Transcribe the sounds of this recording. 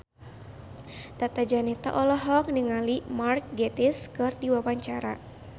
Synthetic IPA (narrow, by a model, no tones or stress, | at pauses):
t̪at̪ad͡ʒanɛt̪a̰ʔɔlɔɦɔk̚niŋalimark̚ɡɛt̪ɪskɨrdiwawaɲt͡ʃaɾa